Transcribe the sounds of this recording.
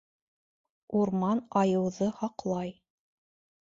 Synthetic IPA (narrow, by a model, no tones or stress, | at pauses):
uɾmɑnɑjɤ̆wðɤhɑqlˠɑj